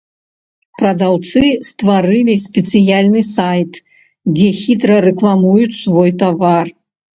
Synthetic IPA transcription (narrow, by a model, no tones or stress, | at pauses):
pɾɐd̪awt̪sɨst̪vaɾɨlʲisʲpʲɛt̪sɨjalʲnɨsajt̪ | d͡zʲɛxʲit̪ɾɐɾɛklˠamujut͡sʲsvɔjt̪avar